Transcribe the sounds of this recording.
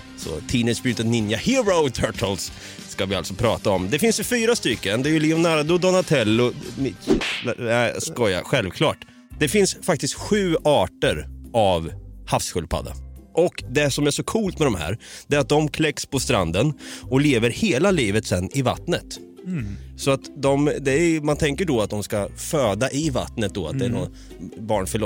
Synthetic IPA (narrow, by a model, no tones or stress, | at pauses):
sɔ̰t̪ʰiːnɪsbɾʉːt̪ət̪nɪnjahɪbɾəʊt̪ʰœʈʰəlsː | kavɪalt̪sɔpʰɾɑ̰ːt̪aɔmd̪ɛfɪnsjɵfyːɾast̪ʏkːənd̪ɛːjɵlɪksɔmnæːɾad̪ud̪ɔnat̪ʰɛlːʊmɪ | ɛskɔja̰ɧɛlvkʰlɑ̰ːʈ | d̪ɛfɪnsfak̚t̪ɪst̪ɧʉ̟ːɑːʈəɾʔavhafsɧʉlpʰa̰d̪a̰ʔɔkd̪ɛsɔmæʂɔkʰuːlt̪mɛd̪ɔmhæ̰ːɾd̪ɛːɾat̪̚d̪ɔmkʰlɛkspʰɔst̪ɾa̰nd̪ənɔleːvəɾheːlaliːvət̪sɛnːɪva̰t̪nət̪ | sɔat̪d̪ɔmd̪ɛæmant̪ʰɛŋkəɖɔat̪̚d̪ɔmskaføːd̪aʔɪva̰t̪nət̪̚d̪ɔat̪̚d̪ɛæɳɔ | bɑːɳfœɭɔ